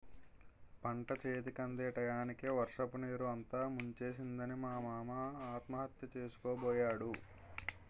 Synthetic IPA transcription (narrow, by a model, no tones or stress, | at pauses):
pɐɳʈɐt͡ʃeːt̪ikɐnd̪eːʈɐjaːnikeːʋɐɾʂɐpuneːɾuɐnt̪aːmuɲt͡ʃe̞ːs̬ind̪ɐnimaːmaːmɐaːt̪mɐɦɐt̪jɐt͡ʃeːsu̥kɔːbɔːjaːɽu